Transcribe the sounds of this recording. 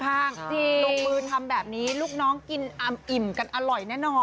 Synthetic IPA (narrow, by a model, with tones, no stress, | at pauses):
kʰaː˥˩ŋt̪ʰiː˥˩lo˧ŋmɯː˧t̪ʰa˧mbɛː˨˩p̚niː˦˥luː˥˩k̚nɔː˦˥ŋki˧nʔa˧˩ʔi˨˩mka˧nʔa˧ɾɔ˨˩jnɛː˥˩nɔː˧n